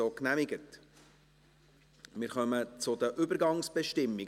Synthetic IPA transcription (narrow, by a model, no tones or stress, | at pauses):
oːknæmɪɡət | mɪːɾχœmət͡sʊd̪əʔʏbəɾɡɑŋsb̥ɛʃtɪmːi